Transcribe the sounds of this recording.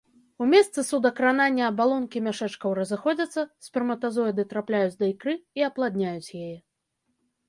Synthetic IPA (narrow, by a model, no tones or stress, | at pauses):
umʲɛst̪sɨsud̪ɐkɾananʲːɐːbalˠɔnkʲimʲaʂɛt͡ʂkɐwɾɐzɨxɔd͡zʲɐt̪sːɐsʲpʲɛrmɐt̪azɔjɐd̪ɨt̪ɾaplʲajut͡sʲd̪ɐikɾɨiɐplˠad̪ʲnʲajut͡sʲjajɛ